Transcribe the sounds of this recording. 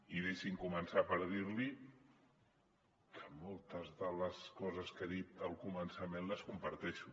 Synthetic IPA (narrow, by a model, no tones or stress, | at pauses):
iðeʃiŋkumənsapəɾðiɾli | kʰəmɔlˠt̪əzðələskɔzəskəðit̪əlˠkumənsəmenləskumpəɾt̪ɛʃu